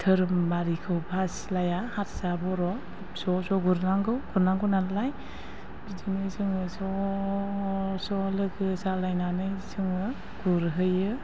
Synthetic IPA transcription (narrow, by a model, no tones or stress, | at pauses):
tʰɯɾɯmbaɾikʰɯwpʰaslajahatsabɔɾɔ | sɔsɔɡuɾnaŋɡɯwɡ̥uɾnaŋɡɯnanlaj | bidinɯjsɯŋɯsɔ | sɔlɯɡɯsalajnanɯjsɯŋɯ | ɡ̥uɾɦɯjɯ